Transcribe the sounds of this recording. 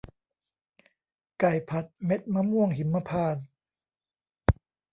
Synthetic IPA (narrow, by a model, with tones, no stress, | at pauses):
ka˨˩jpʰa˨˩t̪̚me˦˥t̪̚ma˧˥mu˥˩əŋɦi˨˩˦mːa˧˥pʰaː˧˩n